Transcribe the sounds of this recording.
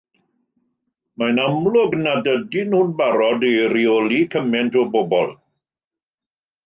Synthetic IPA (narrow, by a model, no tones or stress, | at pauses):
majnamlˠʊɡnadədɪnhunbaɾɔdejɾiɔlikʰəmɛntɔbobɔ̰lˠ